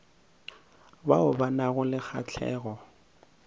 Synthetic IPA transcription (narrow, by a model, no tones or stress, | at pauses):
baʊbanaɣʊlɪk͡xʰa̰t͡ɬʰɛ̰ːɣɔ